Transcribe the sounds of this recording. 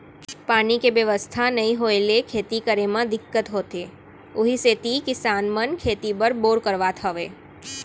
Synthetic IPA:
panikeʋəʋəst̪ʰanəɦĩɦoelekʰet̪ikəɾemãd̪ɪkːət̪ɦot̪e | oɦiset̪ikɪsanmənkʰet̪ibəɾboɾkəɾʋat̪ʰəʋe

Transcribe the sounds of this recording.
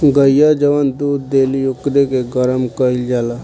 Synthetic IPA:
ɡəjad͡ʒəʋənd̪uːd̪̚d̪elijukɾekeɡəɾəmkəɪld͡ʒala

